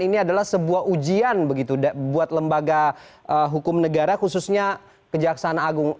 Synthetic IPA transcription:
iniadalahsəbuaɦud͡ʒianbəɡit̪udbuat̪ləmbaɡa | ʔəɦukʊmnəɡaɾakususɲa | kəd͡ʒaksaanaaɡʊŋ

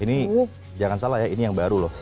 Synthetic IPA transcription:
ini | d͡ʒaŋansalahjainijaŋbaɾulɔh

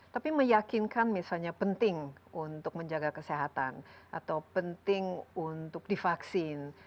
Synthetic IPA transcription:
t̪apiməjakinkanmisalɲapənt̪ɪŋunt̪ʊk̚məɲd͡ʒaɡakəseɦat̪a̰nʔa̰t̪awpənt̪ɪŋunt̪ʊk̚difaksɪn

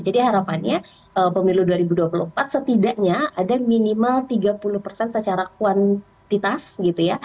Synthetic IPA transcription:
d͡ʒadiɦaɾapanɲa | ʔəpəmiluduaɾibuduwapulumpat̪̚sət̪idaʔɲaadaminimalt̪iɡapulʊhpərsɛnsət͡ʃaɾakuwan | t̪it̪asɡit̪uja

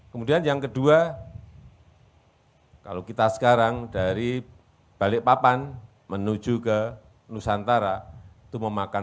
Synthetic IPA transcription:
kəmudianjaŋkədua | ka̰lokit̪asə̥kaɾaŋdaɾi | b̥alɪʔpapan | mənu̥ʒ̥ukə | nusant̪aɾa | t̪uməmaka

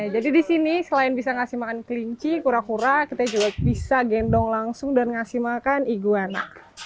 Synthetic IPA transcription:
ad͡ʒadidisinisəlaɪnbisaŋasimakankəliɲt͡ʃikuɾakuɾakit̪ad͡ʒuɡabisaɡɛndɔŋlaŋsʊŋdanŋasimakaniɡuana̰k

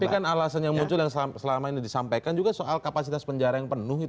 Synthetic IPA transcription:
pikanalasanjaŋmuɲt͡ʃʊljaŋssəlamainidisampajkand͡ʒuɡasoʔalkapasit̪aspəɲd͡ʒaɾajaŋpənʊhit̪

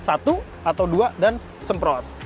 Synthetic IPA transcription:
sat̪u | at̪awduadan | səmpɾɔt̪̚

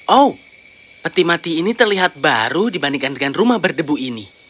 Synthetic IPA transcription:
ʔow | pət̪imat̪iːnit̪ərliɦat̪̚baɾudibandiŋkandəŋanrumahbərdəbuini

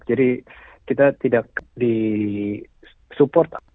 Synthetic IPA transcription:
d͡ʒadi | kit̪at̪idak̚di | supɔrt̪

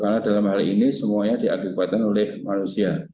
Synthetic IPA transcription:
karnadalamhalḭnisəmuaɲadia̰kibat̪anolɪhmanusia

